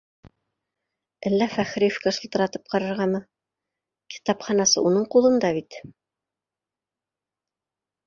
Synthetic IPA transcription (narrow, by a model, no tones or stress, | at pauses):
ʔælːæfæχɾijofkæʃɤ̆lˠt̪ɤ̆ɾɑt̪ɤ̥p̚qɑɾɤ̆ɾʁɑmɤ | ki̥t̪ɑpχɑnɑsɤ̰ʔunɤɴqulˠɤ̆nd̪ɑβit̪